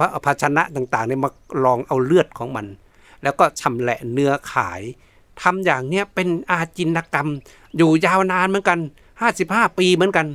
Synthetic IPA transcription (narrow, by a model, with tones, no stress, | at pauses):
pʰa˧pʰa˧t̚sʰa˧na˧˥ʔt̪aː˨˩ŋt̪aː˨˩ŋda˧˩ma˧lɔː˧ŋʔa˧wlɯ˥˩ət̪̚kʰɔː˨˦ŋma˧n | lɛː˧˩wkɔː˧˩sʰa˧˩mlɛ˧˩ʔnɯ˧ɐkʰa̰ː˨˩˦j | t̪ʰa˧mjaː˨˩ŋni˧˩əpe˧nʔaː˧˩t͡ɕi˧nːa˧ka˧m | juː˨˧˩jaː˧˩˨wnaː˧nmɨ˧˦nka˧n | haː˧˥˩si˧˦p̚haː˥˩piː˧mɯ˨˦ə˦nka˧n